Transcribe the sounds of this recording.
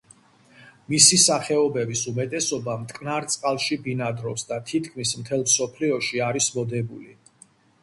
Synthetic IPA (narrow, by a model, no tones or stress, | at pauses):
misisaχɛɔbɛbisumɛt̪ʼɛsɔbamt̪ʼkʼnaɾt̪sʼqʼalˠʃibinad̪ɾɔpsd̪at̪ʰit̪ʰkʰmismt̪ʰɛlˠmsɔpʰliɔʃiaɾismɔd̪ɛbuli